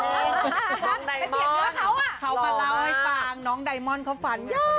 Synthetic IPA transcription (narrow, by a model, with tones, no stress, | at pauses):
a˨˦˨i˨˩˦ɔ˨˦a˨˦wkʰa˨˩wmaː˧laː˧˩wha˧jfaː˨˩ŋnɔ˨˦ŋɗa˨˩jmɔ˧nkʰɔ˨˦wfa˨˩n˦˧